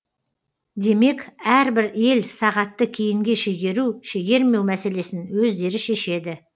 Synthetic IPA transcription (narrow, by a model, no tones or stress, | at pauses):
d̪e̞me̞kæɾbɪɾe̞lsɑʁɑt̪ːəkʲʰejɪŋɡʲe̞ʃeɡʲe̞ɾuʃeɡʲe̞ɾme̞wmæse̞le̞sɪnwɵzd̪e̞ɾɪʃe̞ʃe̞d̪ɪ